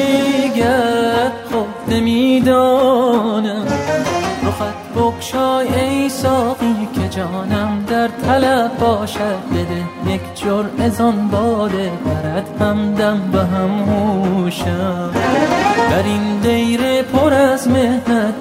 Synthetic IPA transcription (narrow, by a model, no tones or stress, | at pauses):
ɡæt̪χobnemiːd̪ɒːnæm | ɾoxæt̪boχʃɒːjejsɒːɣiːkʲʰed͡ʒɒːnæmd̪æɾt̪ʰælæbɒːʃæd̪̚be̞d̪ejekʰd͡ʒoɾmʔezɒnbɒːd̪ebæɾæd̪̥hæmd̪æmbeɦæmhuʃæ | bæɾind̪ejɾepʰoɾæzmehnæd̪